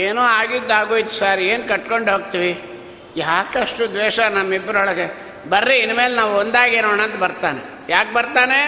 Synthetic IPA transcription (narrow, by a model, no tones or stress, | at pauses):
eːnoːaːɡid̪ːaːɡoːjit̪ːu̥saːɾieːnkɐʈkoɳɖɦoːɡ̚t̪iʋi | jaːkɐʂʈud̪ʋeːʃɐnɐmːibːɾɐɦɔɭɐɡe | bɐɾːiinːmeːlnaːʋond̪aːɡenoːɳaːnt̪ɐbɐɾt̪aːnḛ | jaːk̚bɐɾt̪aːne